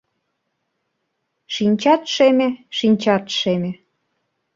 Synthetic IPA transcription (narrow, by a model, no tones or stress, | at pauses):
ʃinʲt͡ɕɑt̪ʃemeʃinʲt͡ɕɑt̪ʃemĕ